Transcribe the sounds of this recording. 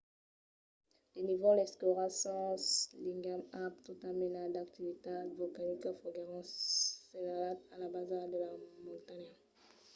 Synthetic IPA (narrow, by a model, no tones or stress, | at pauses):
lenivɔlɛskɔʁasɑ̃sliŋɡamap̚t̪ut̪aminad̪ak̚t̪ivit̪avɔkanikafɔɡaʁɑ̃senalat̪alabazaʁd̪əlamɔ̃t̪ana